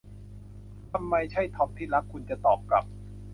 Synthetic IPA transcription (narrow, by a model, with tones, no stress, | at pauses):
t̪ʰa˧mːa˧jt͡ɕʰa˥˩jt̪ʰɔ˦˧˥p̚t̪ʰiː˥˩la˦˥kʰːu˧nt͡ɕa˨˩t̪ɔː˨˩p̚kɾa̰˨˩p̚